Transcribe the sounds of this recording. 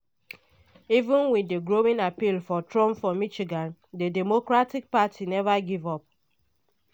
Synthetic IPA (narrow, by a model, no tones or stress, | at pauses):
ivũnwideɡɾowĩnapilfɔtɹɔ̃mpfɔmit͡ʃiɡãndedɛmokɾatik̚patʰinɛvaɡivɔp̚